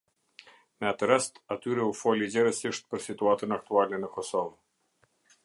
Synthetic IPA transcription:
nat̪əɾɛst̪at̪yɾɛufɔlʲid͡ʑɛɾəsəʃt̪̚pəɾsit̪uat̪ənak̚t̪ualʲnenəkɔsɔv

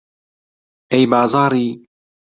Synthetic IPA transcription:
ʔɛjbɑːzɑːɾiː

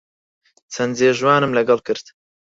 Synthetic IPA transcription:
t͡sʰɛnzeːʒwaːnɨmlɐɡɑlkɨɾt̪

